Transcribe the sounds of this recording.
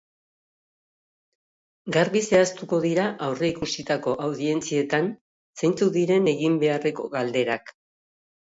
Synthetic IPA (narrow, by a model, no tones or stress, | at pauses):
ɡaɾβise̞ast̪uko̞ðiɾaʔawre̞ikusit̪ako̞ʔawðie̞nt͡sie̞t̪an | sejnt͡suðiɾe̞ne̞ɣimbe̞are̞ko̞ɣald̪e̞ɾak